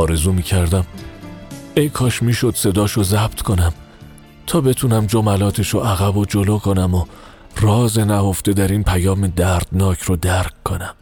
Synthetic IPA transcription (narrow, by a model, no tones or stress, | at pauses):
ɒːɾe̞zuːmiːcʰæɾd̪æm | e̞jkʰɒːʃmiːʃod̪̥se̞d̪ɒːʃozæb̚t̪ʰkʰo̞næm | t̪ʰɒːbe̞t̪ʰunæmd͡ʒomælɒːt̪ʰe̞ʃoʔæɣæbod͡ʒoloːkʰo̞næmo | rɒːze̞næho̞fd̪e̞d̪æɾiːnpʰæjɒːmed̪æɾd̪̥nɒːcʰɾod̪æɾkkʰːonæm